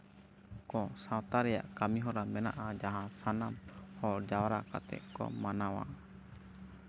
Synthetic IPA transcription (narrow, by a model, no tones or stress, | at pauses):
kɔ̃sãwt̪aɾɛja̰ʔkamiɦɔɾamɛna̰ʔad͡ʒaɦãsanamhɔɾd͡ʒawɾaka̰t̪ɛ̰ʔ̚kɔ̰manawa̰